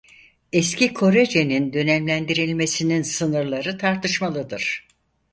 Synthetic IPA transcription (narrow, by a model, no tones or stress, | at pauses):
ɛscikʰo̞ɾed͡ʒe̞nind̪ø̞nɛmlʲænd̪iɾilʲme̞sininsɯnɯɾlˠaɾɯt̪ʰaɾt̪ʰɯʃmalˠɯd̪ɯɾ̥